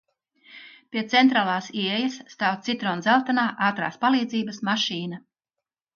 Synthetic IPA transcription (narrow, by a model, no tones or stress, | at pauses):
pʲiɛt̪sɛnt̪ɾaːlˠaːsiɛjɐsːt̪aːwt̪sit̪ɾɔːnzɛlˠt̪anaːʔaːt̪ɾa̰ːspalˠiːd̪ziːbəsmaʃiːnɐ